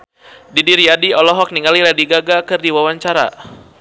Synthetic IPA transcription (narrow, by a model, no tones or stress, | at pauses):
didiɾiadiɔlɔɦɔk̚niŋaliɾadiɡaɡakɨrdiwawaɲt͡ʃaɾa̰